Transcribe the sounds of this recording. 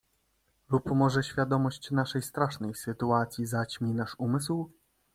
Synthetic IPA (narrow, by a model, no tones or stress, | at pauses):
lupmɔʐɛɕfʲjad̪ɔmɔɕt͡ɕnaʂɛjst̪ɾaʂnɛjsɘt̪uat̪sʲjizat͡ɕmʲinaʂumɘsw